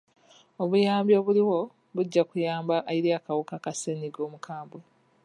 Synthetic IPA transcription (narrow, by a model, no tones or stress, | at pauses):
o̞βujaːmbjo̞βuliwo̞ | βuɟːakujaːmbaʔːjiɾiakawukakaseniɡo̞ːmukʰaːmbwe